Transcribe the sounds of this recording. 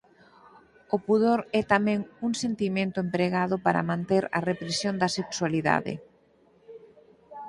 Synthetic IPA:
ʊpuðoɾɛt̪amɛ̃ŋuŋsent̪imẽnt̪ʊempɾeɣaðʊpaɾɐ̰mãnt̪eɾɐ̰repɾesjond̪ɐsekswaliða̰ðɪ̰

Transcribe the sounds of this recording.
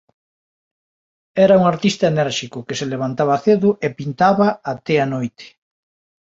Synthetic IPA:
ɛɾɐuŋaɾt̪ist̪ɐenɛɾʃikʊkeseleβ̞ant̪aβaθeðʊʔepint̪aβɐat̪ɛanojt̪e̥

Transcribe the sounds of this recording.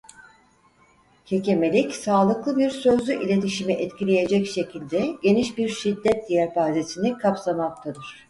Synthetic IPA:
cʰe̞ce̞me̞lʲicsaːlˠɯklˠɯbiɾsø̞zlʲyʔilʲe̞t̪ʰiʃimiʔɛt̪cʲilʲe̞je̞d͡ʒɛcʃe̞cʰilʲd̪ɛɟe̞niʃbiɾʃid̪ːɛt̪̚d̪ijæɾbaːzesinikʰapsamak̚t̪ʰad̪ɯɾ̥

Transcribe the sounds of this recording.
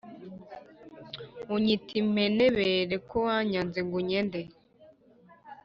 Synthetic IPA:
uɲitʰimeneβeɾekʰowaɲanziɡuɲende

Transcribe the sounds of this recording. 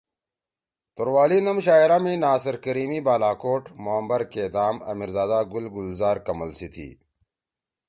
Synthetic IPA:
t̪oɾwaːlinɐmɕaːjɾamĩnaːsɐɾkəɾiːmibaːlaːkoːʈmoɐmbɐɾked̪aːmɐ̰miɾzaːd̪aɡulɡulzaːɾkɐmɐlsit̪ʰḭː

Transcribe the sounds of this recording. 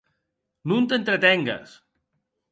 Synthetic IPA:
nunt̪ent̪ɾət̪ɛŋɡə̰s

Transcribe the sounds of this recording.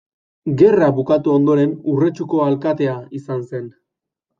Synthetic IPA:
ɡe̞raβukat̪uo̞nd̪o̞ɾe̞nure̞t͡ʃuko̞alkat̪e̞aisanse̞n

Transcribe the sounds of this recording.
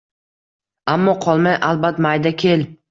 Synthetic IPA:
amːɒqʰɒlˠmajʔalˠbat̪majd̪akʲʰe̞l

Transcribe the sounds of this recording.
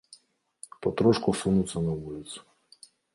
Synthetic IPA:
pɔt̪ɾɔʃkɔsunʊsʲɐnɐʋulʲɪt̪sʲʊ̥

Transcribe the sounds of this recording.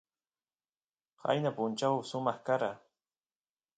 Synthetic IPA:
ha̰jnapʊnt͡ʃawsʊmɑχkaɾa

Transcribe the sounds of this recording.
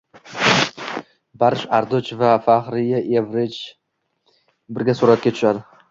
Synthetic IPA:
baɾɪʃaɾd̪ʊt͡ʃvafaχɾɪjaʔevɾet͡ʃ | bɪɾɡʲasʊɾat̪̚kʲat̪ʰʊ̥ʃad̪ɪ

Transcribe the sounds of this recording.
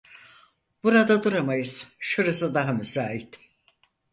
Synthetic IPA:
b̥uɾad̪ad̪uɾamajɯz̥ʃuɾasɯd̪aɦamysaːɦit̪

